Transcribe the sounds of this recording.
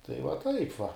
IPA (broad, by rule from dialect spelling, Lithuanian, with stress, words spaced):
tɐɪ ʋɐ ˈtɐɪp ʋɐ